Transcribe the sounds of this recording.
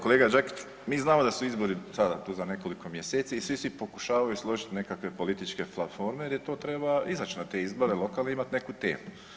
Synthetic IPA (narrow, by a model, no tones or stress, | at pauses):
ko̞le̞ːɡad͡ʒaki̥t͡ʃ | miːznaːmod̪asuizbo̞ɾisad̪at̪uːzane̞ko̞liko̞mje̞seːt̪siːsʋisʋipo̞ku̥ʃaːʋajuslˠo̞ʒit̪ne̞kakʋe̞po̞lit̪it͡ʃke̞flafo̞ːɾmed̪jet̪o̞ːt̪ɾe̞baizat͡ʃinat̪e̞izboɾelˠo̞kaːlneimat̪nekut̪e̞̰ːmu